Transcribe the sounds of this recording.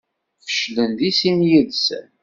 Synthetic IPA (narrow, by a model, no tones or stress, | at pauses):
fə̥ʃlənd̪isimjəðsə̰n